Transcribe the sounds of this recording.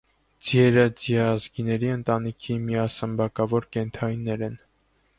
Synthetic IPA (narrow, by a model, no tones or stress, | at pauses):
d͡zjɛɾəd͡ziɑzɡinɛɾiənt̪ɑnikʰimiɑsəmbɑkɑvɔɾkɛnt̪ʰɑjnːɛɾɛn